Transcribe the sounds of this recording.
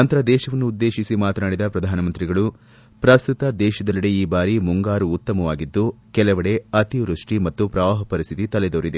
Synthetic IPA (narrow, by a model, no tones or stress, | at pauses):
ɐnt̪ɐɾɐd̪ɛːʃɐʋɐnːuːd̪ːe̞ːʃisimaːt̪ɐnaːɽid̪ɐpɾɐd̪ʱaːnɐmɐnt̪ɾiɡɐɭu | pɾɐst̪ut̪ɐd̪ɛːʃɐd̪ɐlːiɽeiːbaːɾimuŋɡaːɾuːt̪ːɐmɐʋaːɡid̪ːukɛlɐʋɐɽe̞ɐt̪iʋɾuʂʈimɐt̪ːupɾɐʋaːɦɐpɐɾist̪ʰit̪it̪ɐled̪oːɾid̪e